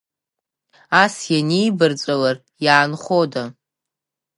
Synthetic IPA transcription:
asjanejbɨrt͡sʷʼalar | jaːnχoda

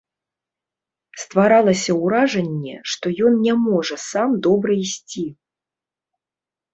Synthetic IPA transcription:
st̪vaɾalˠɐsʲɐwɾaʐɐnʲːɛ̰ʂt̪ɔjɔnnʲɛmɔʐɐsamd̪ɔbɾɐisʲt͡sʲi

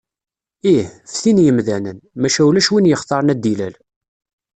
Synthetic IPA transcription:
ihfθinjəmðænənmæʃæulæʃwinjəχt̪ˤɑɾˤənæd̪ːilæl

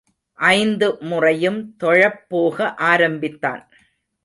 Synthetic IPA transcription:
ʔɐɪnd̪ɯmʊrɐjɯmt̪ɔɻɐpːoːɣɐʔaːɾɐmbɪt̪ːa̰ːn

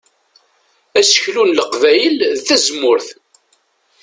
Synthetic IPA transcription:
æsə̥çlunləqvæjəlθæzmʊɾθ

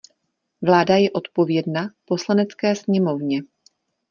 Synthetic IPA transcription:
vlaːdajɛʔo̞t̪po̞vjɛdnapo̞slanɛt͡skɛːsɲɛmo̞vɲɛ

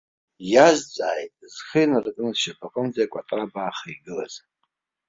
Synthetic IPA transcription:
jazt͡sʼaːjtʼzχijnɨrɨkʼɨnɨzʃapʰaqʼəmd͡zajakʷʼatʼrabaːχaiɡɨlaz

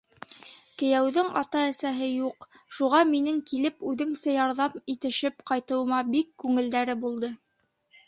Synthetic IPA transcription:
kɘ̆jæwðɘŋɑ̰t̪ɑæsæɦɘjuq | ʃuʁɑminɘŋkilɘpʉðɘ̆msæjɑɾðɑmit̪ɘ̆ʃɘpqɑjt̪ɤ̆wɤ̆mɑbikːʉŋɘ̆ld̪æɾɘbulˠd̪ɤ

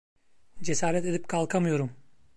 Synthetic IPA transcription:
d͡ʒe̞saːɾɛt̪e̞d̪ip̚kʰalˠkʰamɯjo̞ɾum

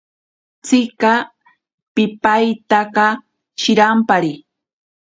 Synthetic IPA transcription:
t͡sɪka | pɪpajt̪aqɑ | ʃɪɾampaɾi

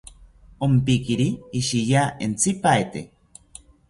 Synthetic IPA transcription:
ompikiɾiːʃijaent͡sipaet̪ḛ

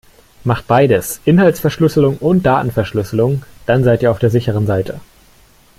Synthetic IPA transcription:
maχt̚b̥aɪdəsʔɪnhaltsfɛɐʃlʏsəl̩ʊŋʔʊnt̚d̥aːtn̩fɛɐʃlʏsəlʊŋd̥anzaɪtiːɐaʊfd̥eːɐzɪçəʁ̞ənzaɪtʰə

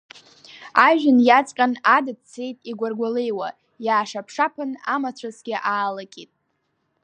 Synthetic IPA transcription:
aʒᶣɪnjat͡sʼqʲʼanadɨdt͡sʰe̞jtʼiɡʷarɡʷalejwa | jaːʂapʰʂapʰɨnamat͡ɕʷʰasɡ̥ʲɪʔaːlakʲʼitʼ

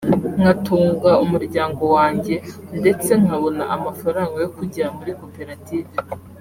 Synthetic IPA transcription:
ŋ̥atuːŋɡaumuɾɟaːŋɡo̞waːɲɟe̞nde̞t͡se̞ŋ̥haβo̞na̰ʔamafaɾaŋɡojokuɟiɾamuɾiko̞pe̞ɾative

